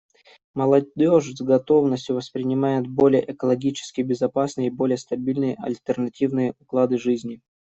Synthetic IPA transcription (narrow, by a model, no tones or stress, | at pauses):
məlˠɐdʲo̞ʐzɡɐt̪o̞vnəsʲtʲjʊvəspɾʲɪnʲɪmajɪt̪bo̞lʲɪjə̰ʔɛkəlˠɐɡʲit͡ɕɪ̥skʲɪjbʲɪzɐpasnɨjəibo̞lʲɪjəst̪ɐbʲilʲnɨjəʔɐ̰lʲt̪ʲərnɐtʲivnɨjəʊklˠad̪ɨʐɨzʲnʲɪ